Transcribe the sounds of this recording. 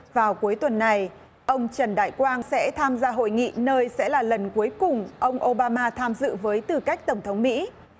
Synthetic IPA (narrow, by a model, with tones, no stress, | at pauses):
vaː˨˩wku˨˦əjt̪wə˨˩nːa˨˩j | ʔə˧wŋ͡mt͡ɕə˨˩nɗa̰ː˧˨jkwaː˧nsɛ̰˧˥t̪ʰaː˧mzaː˧ɦo̰˧˨jŋḭ˧˨nəː˧jsɛ̰˧˥laː˨˩lə˨˩nku˨˦əjkʊ˨˩ŋ͡mʔə˧wŋ͡mʔo˧ɓaː˧maː˧t̪ʰaː˧mzɨ̰˧˨vəː˨˦jt̪ɨ˨˩ka˦˥jk̚t̪ə˧˩ŋ͡mt̪ʰə˨˦wŋ͡mmḭ˧˥